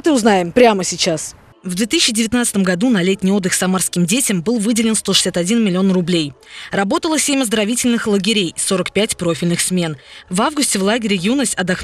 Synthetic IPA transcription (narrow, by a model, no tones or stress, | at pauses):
t̪ɨʊznajɪmpɾʲaməsʲɪt͡ɕas | vd̪vʲet̪ɨsɪɕːɪdʲɪvʲɪt̪nat̪sɨt̪əmɡɐd̪unɐlʲet̚ʲnʲijo̞d̪ːɨxsɐmarskʲɪmdʲetʲɪmbɨlˠvɨdʲɪlʲɪnst̪o̞ʂɨ̥sʲat̪ɐdʲinmʲɪlʲɪo̞nrʊblʲejrɐbo̞t̪əlˠəsʲemʲɐzd̪əɾɐvʲitʲɪlʲnɨxlˠəɡʲɪɾʲejso̞ɾəkpʲætʲpɾo̞fʲɪlʲnɨxsmʲe̞nvavɡʊsʲtʲɪvlˠaɡʲɪɾʲɪjunəsʲtʲɐd̪ɐx